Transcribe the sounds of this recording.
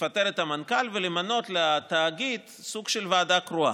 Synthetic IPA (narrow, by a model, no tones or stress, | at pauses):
fat̪eʁet̪amankalvelemano̞t̪leat̪aːɡit̪ | suɡ̥ʃelvaːd̪akɾua̰